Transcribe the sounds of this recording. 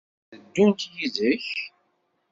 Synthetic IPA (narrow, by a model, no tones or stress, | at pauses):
ðəd̪ːʊnt̪jiðəç